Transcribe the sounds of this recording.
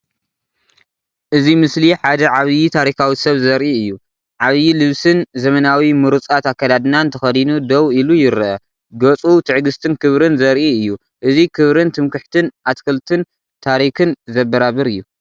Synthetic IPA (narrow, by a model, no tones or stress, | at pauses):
ʔɨzimɨsliħad̪ɐʕaβjit̪ʰaɾikawisɐβzɐɾʔiɨjːu | ʕaβjilɨβsɨnzɐmɐnawimɨɾut͡sʼat̪akːɐd̪ad̪ɨnant̪ʰɐxɐd̪inud̪ɐwilujɪɾʔɐ | ɡɐt͡sʼut̪ʰɨʕɡɨst̪ʰɨnkʰɨβɾɨnzɐɾʔiɨjːu | ʔɨzikʰɨβɾɨnt̪ʰɨmkɨħt̪ʰɨnat̪kʰɐlt̪ʰɨn | t̪ʰaɾikɨnzɐbɐɾaβɨɾɨjːu